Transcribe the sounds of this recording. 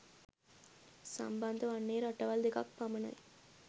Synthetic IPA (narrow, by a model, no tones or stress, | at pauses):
sɐ̰mbɐnd̪ɐʋɐɳːeːɾɐʈːɐʋɐld̪ikɐ̰k̚pɐmɐnɐ̰j